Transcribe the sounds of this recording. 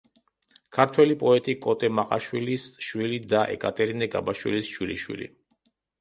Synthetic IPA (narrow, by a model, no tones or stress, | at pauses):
kʰaɾt̪ʰwɛlipʼɔɛt̪ʼikʼɔt̪ʼɛmaqʼa̰ʃwilisʃwilid̪aʔɛ̰kʼat̪ʼɛɾinɛɡa̰baʃwḭlisʃwiliʃwḭlḭ